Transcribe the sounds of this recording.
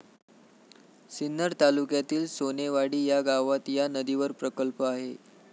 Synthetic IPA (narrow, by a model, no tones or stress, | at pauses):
sinːəɾt̪alukjat̪iːlsoneʋaɽiːjaɡaʋat̪janəd̪iʋəɾpɾəkəlpəaɦe